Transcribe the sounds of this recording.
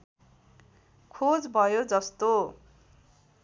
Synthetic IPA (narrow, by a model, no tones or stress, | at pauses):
kʰod͡zbʱʌjod͡zʌst̪o